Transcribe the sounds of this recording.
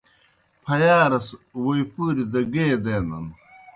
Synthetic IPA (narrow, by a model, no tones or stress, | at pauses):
pʰɐjaːɾɐswojpuɾid̪ɐɡeːd̪eːnɐ̰n